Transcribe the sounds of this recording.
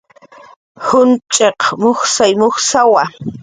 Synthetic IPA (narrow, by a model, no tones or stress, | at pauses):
hʊnt͡ʃʼeqmoχsajmoχsawa